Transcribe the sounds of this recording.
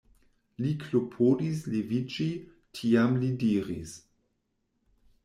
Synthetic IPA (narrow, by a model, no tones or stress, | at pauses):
liklopʰodislevid͡ʒi | tʰiamlidiːɾis